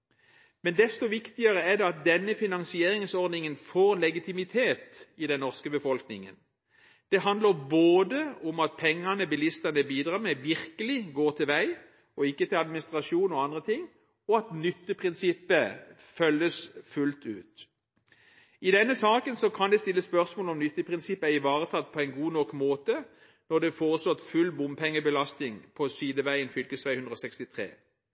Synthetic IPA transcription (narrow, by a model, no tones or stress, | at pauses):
mɛnd̪ɛst̪ɔʋɪkt̪ɪəʁəɛd̪ɛɑt̪̚d̪ɛnːəfɪnɑnsɪeːɾɪŋsɔʁd̪nɪŋənfoːʁlɛɡɪt̪ɪmɪt̪ʰeːt̪ɪd̪ɛnːɔʁskəbəfɔlknɪŋə̰n | d̪̥ɛɦɑnd̪ləʁboːd̪əʊmɑt̪̚pʰɛŋːɑnəbɪlɪst̪ɑnəbiːd̪ʁɑːmɛʋɪʁkəlɪɡoːt̪ʰɪlʋæɪ | ɔɪkːət̪ʰɪlɑd̪mɪnɪst̪ʁɑʃuːnɔɑnd̪ʁət̪ʰɪŋː | ɔɑt̪nʏt̪ːəpʰʁɪnsɪpːə | fœlːəsfʉlt̪ʉːt̪ | ɪd̪ɛnːəsɑːkənsɔkʰɑnd̪ɛst̪ɪlːəspœʁsmoːlɔmnʏt̪ːəpʰʁɪnsɪpːəæɪʋɑːʁət̪ʰɑt̪ːpʰɔæɪnɡuːnɔkːmoːt̪ə | nɔd̪ɛfoːʁəsɔt̪fʉlːbʊmpʰɛŋːəbəlɑst̪ɪŋpʰɔsyːd̪əʋæɪənfʏlkəsʋæɪʉnd̪ɾɔːsɛkst̪ɪt̪ʰʁḛː